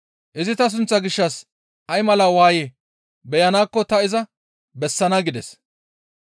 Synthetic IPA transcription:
ʔɪzɪt̪ɐs̬ʊnt͡sːɐɡɪʃːɐs | ʔɐjmɐlɐwaːje | bɛjɐnaːkːɔt̪ɐɪzɐ | bɛsːɐnɐɡɪd̪ɛs

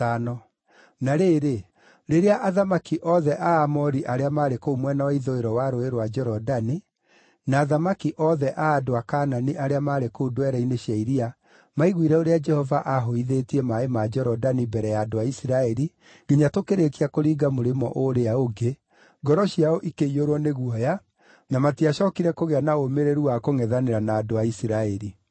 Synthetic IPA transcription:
anɔ | naɾeɾe | ɾeɾeaʔaðamakiʔɔðɛʔaːmɔɾiʔaɾeamaːɾekomwɛnawaiðoeɾɔwaɾoeɾowad͡ʒɛɾɔdani | naːðamakiʔɔðɛʔaːdoakaːnaniʔaɾeamaːɾekodowɛɾaineɕjaiɾia | maiɣwiɾɛoɾead͡ʒɛhɔvaʔaɦoiðetiɛmaemad͡ʒɛɾɔdanibɛɾɛjaːdoaisiɾaɛɾi | ɡ̥eɲatokeɾekiakoɾiːɡamoɾemɔ̰ʔoɾeaoɡe | ɡɔɾɔɕiaoʔikeioɾwɔneɣwɔja | namatiaʃɔkiɾɛkoɣeanaomeɾeɾuakoŋɛðaneɾanaːdoaisiɾaɛɾi

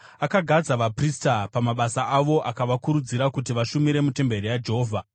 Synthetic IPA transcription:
akaɡʱad͡zaʋapristapamaɓasaʔaʋo̞ʔakaʋakuɾud͡ziɾakutiʋaʃumiɾe̞mute̞mbe̞rijad͡ʒeɦoːvʱa

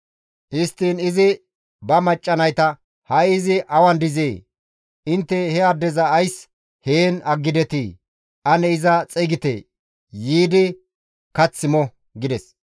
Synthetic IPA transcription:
ʔɪst̪ːiːnɪzɪ | bɐmɐt͡ʃʼːɐnɐjt̪ɐ | hɐjɪzɪʔɐwɐnd̪ɪzeː | ɪnt̪ːɛhɛɐd̪ːɛzɐːjs | heːnɐɡːɪd̪ɛt̪iː | ɐnɛɪzɐt͡sʼɛɡɪt̪ḛː | jiːd̪ɪ | kɐt͡sːɪmɔ | ɡɪd̪ɛs

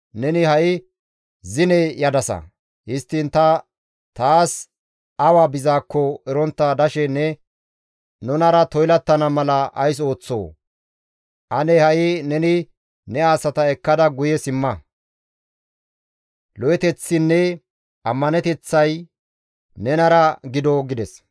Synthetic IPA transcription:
nɛnɪhɐʔɪ | zɪnɛjɐd̪ɐsɐ̰ | hɪst̪ːɪnt̪ɐ | t̪aːs | ɐwaːbɪzaːkːɔɛɾɔnt̪ːad̪ɐʃɛnːɛ | nʊnɐɾɐt̪ɔjlɐt̪ːɐnɐmɐlɐʔɐ̰js̬o̞ːt͡sːo̞̰ː | ʔɐnɛhɐʔɪnɛnɪ | nɛaːsɐt̪ɐɛkːɐd̪ɐɡʊjɛsɪmːɐ | lɔjɛt̪ɛt͡sːɪnːɛ | ʔɐmːɐnɛt̪ɛt͡sːɐj | nɛnɐɾɐɡɪd̪ɔɡɪd̪ɛs

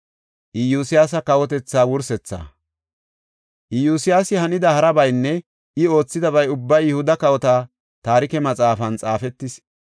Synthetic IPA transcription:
ʔɪjuːsɪjaːs̬ɐkɐwɔt̪̬ɛt͡sːaːwʊɾsɛt͡sːa̰ː | ʔɪjuːsɪjaːsɪhɐnɪd̪ɐhɐɾɐbɐjnːɛ | ʔɪo̞ːt͡sːɪd̪ɐβɐjʊbːɐjjʊhʊd̪ɐkɐwɔt̪aː | t̪aːɾɪkɛmɐt͡sʼaːfɐnt͡sʼaːfɛt̪ːɪs

